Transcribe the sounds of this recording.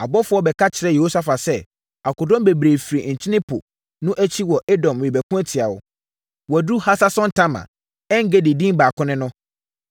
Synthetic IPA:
a˨bɔ˦fʊ˦ɔ˦bɛ˨kʰa˦t͡ɕʰɪ˨ɾɛ˨je˨ho˦sa˦fa˨sɛ˦ | a˨kʊ˨dɔ̃˦mbe˨bɾe˨fi˨ɾi˨ɲ̩˨t͡ɕʰɪ˦nɪ̃˦pʰʊ̰˨ | nʊ̃˦ʔæ˦t͡ɕʰi˦wɔ˨ʔe˦dɔ̃˨mwɪ˨bæ˨kũ˦ɛ˦tʰɪ˨a˨wɔ̰˨ | wɔ˨du˦ha˦sa˦sɔ̃˦n̩˦tʰã˦mã̰˨ | ɛ˦ŋ̩˦ɡe˦di˨dĩ˦m˦baː˨kʰʊ̃˦nɪ̃˦nʊ̃˦

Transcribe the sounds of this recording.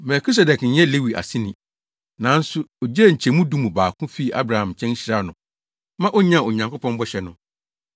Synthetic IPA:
mɛ˨kʰi˦s̬ɛ˨dɛ˨kn̩˨˦ɛ˦le˦wi˨ʔa̰˨sĩ˦nĩ˨ | nã˨˦n̩˦sʊ˦ɔ˨d͡ʑɛ˦˨ɲ̩˨t͡ɕʰɛ˨mũ˦dũ˦mũ˨baː˨kʰʊ̃˦fi˦˨ʔa̰˦bɾa˨hã˨mt͡ɕʰɛ̃˦n˦ɕi˦ɾaː˦˨nʊ̃˨ | mã˦ʔɔ˦ɲã˦˨o˨ɲã˨ŋkʰo˦pʰɔ̃˦mbɔ˦ɕɛ˨˦nʊ̃˨

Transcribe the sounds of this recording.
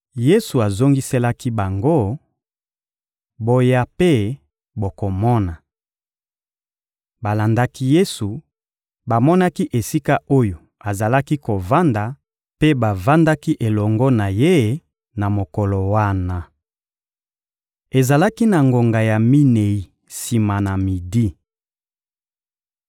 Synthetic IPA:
je˦su˨a˨zo˦ŋɡi˦sɛ˦la˦ki˦ba˨ŋɡo˦ | bo˦ja˦pe˦ | bo˨ko˨mɔ˦na˨ | ba˨la˨nda˦ki˦je˦su˨ | ba˨mɔ˦na˦ki˦ʔe˨si˦ka˦o˦jo˨ | a˨za˨la˦ki˦ko˨va˦nda˨ | pe˦ba˨va˦nda˦ki˦ʔe˨lɔ˨ŋɡɔ˦na˨je˦˨ | na˨mo˨kɔ˨lɔ˨wa˦na˨ | e˨za˨la˦ki˦na˨ŋɡo˨ŋɡa˨ja˨mi˦ne˨i˨ | si˨ma˨na˨mi˨di˦

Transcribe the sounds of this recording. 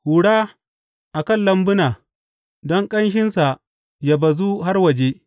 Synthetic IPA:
hu˨ɽaː˦ | ʔa˨kɐ˦˨lːɐ˦mbʊ˦naː˨ | dɔ˦ŋkʼɐ˦nʃ̬ɪ˦nsa˨ | ja˨bɐ˨zu˦ɦa˦rwɐ˨d͡ʒe˦

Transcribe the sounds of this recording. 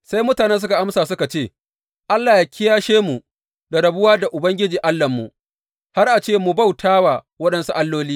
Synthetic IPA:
sa˦jmʊ˦taː˨nɛ˦ns̬ʊ˦ka˨ʔa˦msaː˨sʊ˦ka˨t͡ʃeː˦˨ | ʔa˦lːaː˨ja˨kʲɪ˦jaː˦ʃeː˦mu˨ | da˨ɽɐ˨bʊ˦waː˦da˨ʔʊ˨bɐ˦ŋɡʲɪ˦d͡ʒiː˨ʔa˦lːɐ˨mːṵ˨ | ha˦rʔa˨t͡ʃeː˦˨mu˨ba˦˨wtʰaː˦waː˨ | wɐ˦ɗɐ˦nsu˦ʔa˦lːoː˦liː˦

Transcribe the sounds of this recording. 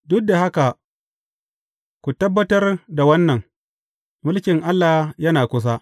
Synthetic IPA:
dʊ˦k̚da˨ha˦ka˨ | kʷu˨tɐ˦bːɐ˦tɐ˦rda˨wɐ˦nːɐ˨ŋ | mʊ˦lkʲɪ˨ŋʔa˦lːaː˨hjɐ˦naː˨kʷʊ˦s̬aː˦

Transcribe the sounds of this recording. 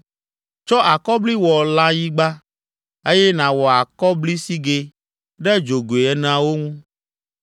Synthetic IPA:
t͡ʃɔ˦ʔa˨kɔ˦bli˦wɔ˨la˦ji˦ɡ͡ba˦ | e˦jɛ˦nã˨wɔ˨a˨kɔ˦bli˦si˦ɡe˦ | ɖɛ˦d͡ʒo˨ɡo˨e˨ɛ˨˦n˦ã˦wo˦ŋũ˦

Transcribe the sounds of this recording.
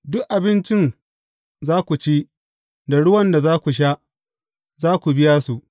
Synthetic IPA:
dʊ˦kʔa˨bɪ˦nt͡ʃɪ˦n | zaː˦kʷu˨t͡ʃiː˦ | da˨ɽʊ˦wɐ˦nda˨zaː˦kʷu˨ʃ̬aː˦ʔ | zaː˦kʷu˨bɪ˦jaː˦su˨ʔ

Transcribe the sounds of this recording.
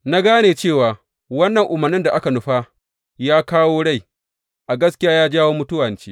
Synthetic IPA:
na˦ɡaː˦neː˨t͡ʃeː˦˨waː˨ | wɐ˦nːɐ˨ŋʔʊ˨mɐ˨rnɪ˦nda˨ʔa˦ka˨nʊ˨ɸa˦ | jaː˦kaː˦woː˦ɽa˦˨j | ʔa˨ɡɐ˦skʲɪ˦jaː˦jaː˦d͡ʒaː˦woː˦mʊ˦tʊ˦wɐ˨nt͡ʃeː˦

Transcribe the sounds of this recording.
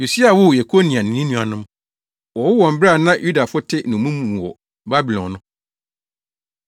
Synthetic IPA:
jo˨si˦a˨wʊ˦˨je˨kʰo˦nĩ˨a˨nɪ̃˨ĩ˦nũ˦a˨nʊ̃˦m | wɔ˨wʊ˦wɔ̃˨m̩˨˦bɾa˦˨nã˦jʔu˦da˨fʊ˦tʰɪ˦nʊ̃˨mũ˦mũ˨wɔ̰˨ | ba˦bi˨lɔ̃˨nnʊ̃˦

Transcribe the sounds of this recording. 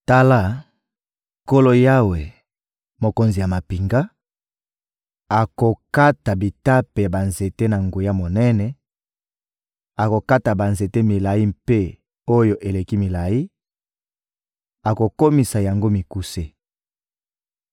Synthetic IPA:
ta˦la˦ | ko˦lo˦ja˦we˨ | mo˨ko˨nzi˨ja˨ma˨pi˨ŋɡa˦ | a˨ko˨ka˦ta˨bi˨ta˦pe˨ja˨ba˨nze˨te˦na˨ŋɡo˨ja˦mo˨nɛ˦nɛ˨ | a˨ko˨ka˦ta˨ba˨nze˨te˦mi˨la˨ji˦mpe˦ | o˦jo˨ʔe˨le˨ki˦mi˨la˨ji˦ | a˨ko˨ko˦mi˨sa˨ja˨ŋɡo˦mi˨ku˦se˦

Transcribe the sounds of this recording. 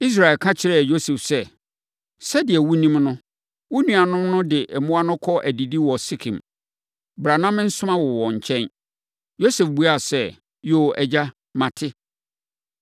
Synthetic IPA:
i˦s̬ɾa˨ɪ˨lkʰã˦t͡ɕʰɪ˦ɾɛ˦˨jo˦sɛ˨fsɛ˦ | sɛ˦dɪ˨ɛ˨wu˦nĩ˦mnʊ̃˦ | wʊ˦nũ˨a˨nʊ̃˦mnʊ̃˦dɪ˨ʔɛ˨mʊ̃˦a˦nʊ̃˦kʰɔ˦ʔæ˨di˨di˦wɔ˨sɪ˦kʰḭ̃˨m | bɾa˨nã˦mɪ̃˦n̩˦sʊ˦ã˦wɔ˨wɔ̃˨ɲ̩˨t͡ɕʰɛ̃˦n | jo˦sɛ˨fbu˦a˦˨sɛ˦ | jo˨ʔɛ˨d͡ʑa˦ | mã˨tʰɪ˦

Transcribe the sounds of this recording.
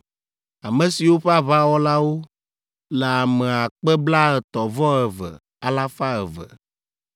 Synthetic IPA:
a˨mɛ˨si˨wo˦ɸɛ˦a˦βa˦wɔ˦la˦wo˦ | lɛ˨a˨mɛ˨a˨k͡pɛ˦bla˦ɛ˨t̪ɔ˨vɔ˦ɛ˨və̰˨ | a˦la˦fa˦ɛ˨və̰˨

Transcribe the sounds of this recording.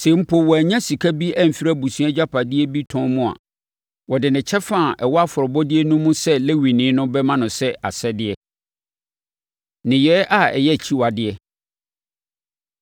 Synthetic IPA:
se˨˦m̩˦pʰo˨wɔ˨æ˨ɲã˦si˨kʰa˦bi˦ʔɛ˦m̩˨fi˦ɾa˦bu˨su˨˦ɛ̃˦d͡ʑᶣa˦pʰa˨dɪ˦ɛ˦bi˦tʰɔ̃˦mũ˦a̰˨ | wɔ˨dɪ˨nɪ̃˨t͡ɕʰɛ˦fã˦˨ʔɛ˨wɔ˦a˦fʊ˨ɾɔ˨bɔ˦dɪ˦ɛ˦nũ˦mũ˦sɛ˦le˦wi˨nɪ̃˨˦nʊ̃˦bɛ˦mã˦nʊ̃˨sɛ˦a˨sɛ˦dɪ˦ɛ˦ | nɪ̃˨jɛː˨˦ʔa˦ɛ̰˨jɛ˦˨t͡ɕʰi˦wa˨dɪ˨ɛ˦

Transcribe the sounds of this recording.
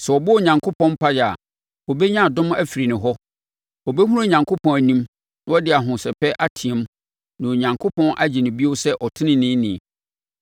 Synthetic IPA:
sɛ˨ɔ˨bʊ˦o˨ɲã˨ŋkʰo˦pʰɔ̃˦m˦pʰa˦jɛ˨a˨ | ɔ˨bɛ˦ɲã˦˨dʊ̃˦m˦æ˦fi˨ɾi˨nɪ̃˨ɦɔ˦ | ɔ˨bɛ˦ɦũ˦ɾa˦˨ɲã˨ŋkʰo˦pʰɔ̃˨næ˨nĩ˦m | nã˦ɔ˦dɪ˨a˨ɦʊ̃˨sɛ˨pɛ˦ʔa˦tʰĩ˨ɛ̃˦m˦ | nã˨o˨ɲã˨ŋkʰʊ˦pʰɔ̃˦nʔa˦d͡ʑɪ˨nɪ̃˨bi˦o˦sɛ˦ʔɔ˨tʰɪ˦nɪ̃˦nɪ̃˦nɪ̃˨

